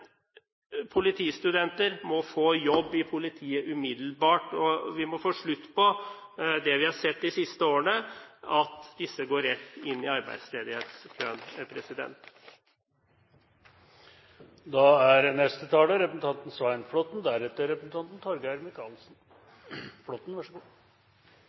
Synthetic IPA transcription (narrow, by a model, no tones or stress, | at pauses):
pʰʊlɪt̪ʰiːst̪ʉd̪ɛnt̪əɾmɔfoːjɔbːɪpʰʊlɪt̪ʰiːəʔʉmɪd̪l̩bɑːʈɔʋɪmɔfoːʂɭʉt̪ːpɔ | d̪ɛʋɪhɑsɛt̪ːɪsɪst̪əoːəɳəɑt̪d̪ɪsːəɡoːɾːɛt̪ːɪnːɪɑɾbæ̰ɪd̪sleːd̪ɪheːt̪skʰøːnpʰɾɛsɪd̪ɛ̰nt̪ | d̪ɑæɾnɛst̪ət̪ʰɑːləɾɛpəsn̩t̪ʰɑnt̪n̩sʋæɪnflɔt̪nd̪æɾɛt̪ːəɾɛpəsn̩ɑnt̪n̩t̪ʰɔɾɡəæɾmɪkʰɑːlsn | flɔt̪n̩ʋæʂ